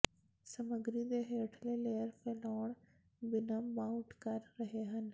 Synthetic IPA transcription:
sɐməɡɾid̪eɦeːʈʰəleleːəɾfeːloːɳ̃ | bɪnamãʊʈʰkaːɾɾɐɦeɦənɪ̆

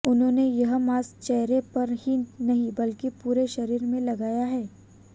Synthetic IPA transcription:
ʊnɦõːnejɐɦmaːst͡ʃɛɦɾepɐɾɦinɐɦĩbɐlkipuːɾeʃɐɾiːɾmẽlɐɡaːjaɦɛː

